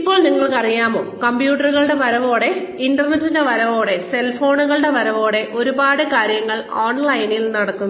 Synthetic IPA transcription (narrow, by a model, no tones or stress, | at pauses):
ipːo̞ːɭniŋːɐɭkɐrijaːmo̞ːkɐmbjuːʈːɐruɣɐɭɨɽe̞pɐɾɐʋo̞ːɽe̞indɐrnɐtːinde̞ʋɐɾɐʋo̞ːɽe̞se̞lfoːɳuɣɐɭɨɽe̞ʋɐɾɐʋo̞ːɽe̞ʔo̞ɾubaːɽɨkaːɾjɐŋːɐɭoːɳlɐjnilnɐɽɐkːunːɐ